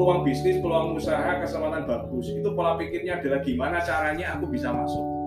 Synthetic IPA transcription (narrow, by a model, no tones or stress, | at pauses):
luwaŋb̥isnɪspəluwaŋmusaɦakəsalananb̥a̤ɡ̥ʊsit̪upolapikɪrɲaːd̥alahɡ̥imanat͡ʃaɾaɲaːkub̥isama̰sʊk̚